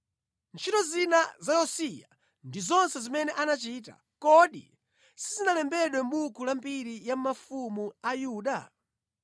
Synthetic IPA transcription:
nt͡ʃʰitɔzinazajɔsija̰ | ndizɔnsɛzimɛnɛʔanat͡ʃita̰ | kɔɗḭ | sizinalɛmbɛɗwɛm̩ɓukʰulambiɾijam̩mafumuajuːɗa

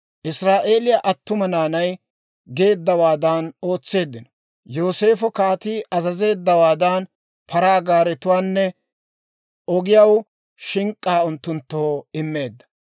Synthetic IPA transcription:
ʔɪsɾaːʔe̞ːlɪjaʔɐt̪ːʊmɐnaːnɐj | ɡe̞ːd̪ːɐwaːd̪aːno̞ːt͡sːe̞ːd̪ːɪnɔ̥ | jo̞ːse̞ːfɔkaːt̪iːʔɐzɐze̞ːd̪ːɐwaːd̪an | pʰɐɾaːɡaːɾɛt̪ʊwaːnːɛ | ʔɔɡɪjɐw | ʃɪŋkʼːaːʊnt̪ːʊnt̪ːoːɪmːe̞ːd̪ːɐ̥

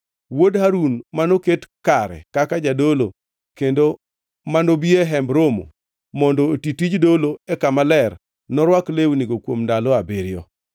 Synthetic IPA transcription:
wodhaɾunmanoketkaɾɛ̰kakad͡ʒadolo | kendo | manobieɦɛmbɾomo̰ | mɔndɔːtitid͡ʒdoloekamalɛr | nɔɾwaklewniɡokwomndalɔabiɾjɔ

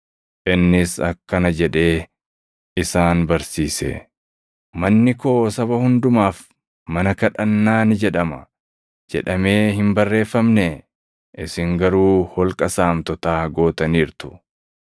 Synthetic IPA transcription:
ʔɪnːɪsɐkːɐnɐd͡ʒɛᶑe̞ː | ɪsaːnbɐɾsiːsɛ̰ | mɐnːɪkoːsɐβɐhʊnd̪ʊmaːf | mɐnɐkɐᶑɐnːaːnɪd͡ʒɛᶑɐmɐ̰ | d͡ʒɛ̰ᶑɐme̞ːhɪmbɐrːe̞ːfːɐmne | ʔɪsɪŋɡɐɾuːhɔlkʼɐsaːmt̪ɔt̪aːɡo̞ːt̪ɐniːɾt̪ʊ̥

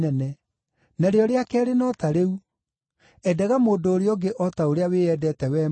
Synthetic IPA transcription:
ɛnɛ | naɾeɔɾeakɛɾenɔtaɾeu | ɛdɛɣamoːdoːɾeɔɡeʔɔtaoɾeaweɛdɛtɛwɛː

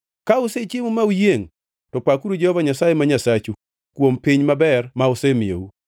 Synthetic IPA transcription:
kauset͡ʃɪmumaujeŋ | tɔpakuɾud͡ʒɛhɔvaɲasajemaɲasat͡ʃu | kwompiɲmabɛrmaosemiḛu

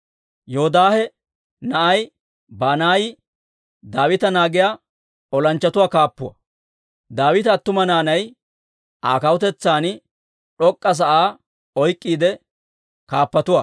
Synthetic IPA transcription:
jɔhɔd̪aːhɛ | nɐʔɐj | baːnaːj | d̪aːwɪt̪ɐnaːɡɪja | ɔlɐnt͡ʃːɐt̪ʊwaːkaːpːʊwɐ̰ | d̪aːwɪt̪ɐːt̪ːʊmɐnaːnɐj | ʔaːkɐwɔt̪ɛt͡sːaːn | ᶑɔkʼːɐs̬ɐʔaː | ɔjkʼːiːd̪ɛ | kaːpːɐt̪ʊwɐ̰

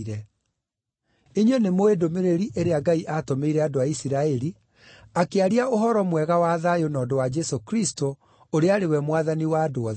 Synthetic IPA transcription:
ɾɛ | eɲwenemoedomeɾeɾiʔeɾeaɡaiʔatomeiɾɛadoaisiɾaɛɾi | akeaɾiaoɦɔɾɔmwɛɣawaðajonɔːdowad͡ʒɛsokɾisto | oɾeaɾewɛmwaðaniwaːdoɔ

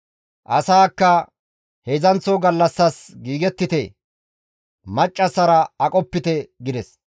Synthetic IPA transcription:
ʔɐsaːkːɐ | hezɐnt͡sːɔɡɐlːɐsːɐsɡiːɡɛt̪ːɪt̪ɛ | mɐt͡ʃʼːɐsɐɾɐɐkʼɔpːɪt̪ɛɡɪd̪ɛs

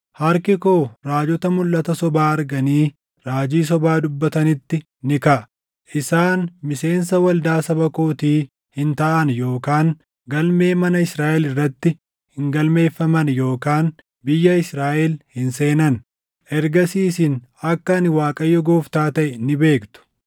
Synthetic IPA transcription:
hɐɾkɪkoːɾaːd͡ʒɔt̪ɐmʊlːɐt̪ɐsɔbaːɐɾɡɐniː | ɾaːd͡ʒiːs̬ɔbaːd̪ʊbːɐt̪ɐnɪt̪ːɪ | nɪkɐʔ | ʔɪsaːnmɪse̞ːnsɐwɐld̪aːsɐbɐkoːt̪iː | hɪnt̪ɐʔɐnjo̞ːkaːŋ | ɡɐlme̞ːmɐnɐɪsɾaːʔɛlɪrːɐt̪ːɪ | hɪŋɡɐlme̞ːfːɐmɐnjo̞ːkaːn | bɪjːɐɪsɾaːʔɛlhɪnseːnɐn | ʔɛɾɡɐsiːsɪnɐkːɐɐnɪwaːkʼɐjːɔɡo̞ːft̪aːt̪ɐʔɛnɪbe̞ːkt̪ʊ̥

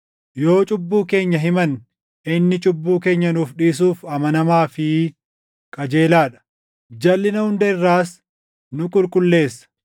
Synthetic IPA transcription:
jo̞ːt͡ʃʼʊbːuːke̞ːɲːɐɦɪmɐn | ɪnːɪt͡ʃʼʊbːuːke̞ːɲːɐnuːfᶑiːs̬uːfɐmɐnɐmaːfɪ | kʼɐd͡ʒe̞ːlaːᶑɐ̥ | d͡ʒɐlːɪnɐhʊnd̪ɐɪrːaːs | nʊkʼʊlkʼʊlːe̞ːsːɐ̥

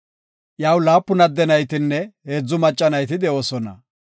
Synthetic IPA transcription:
ʔjawlaːpːʊnɐd̪ːɛnɐjt̪ɪnːɛhe̞ːd͡zːʊmɐt͡ʃʼːɐnɐjt̪ɪd̪ɛoːsɔnɐ̰

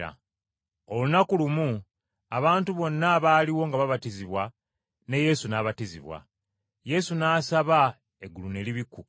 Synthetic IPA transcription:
a̰ | o̞lunakulumu | aβaːntuβo̞nːaβaːliwo̞ŋɡaβaβatiziβwa | ne̞je̞sunaːβatiziβwa̰ | je̞sunaːsaβa | eɡulune̞liβiku

